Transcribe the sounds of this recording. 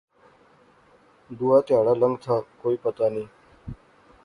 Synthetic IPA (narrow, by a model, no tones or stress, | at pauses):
d̪uːaːt̪ɪjaːɽaːləŋɡt̪ʰaːkoːiːpət̪aːnĩː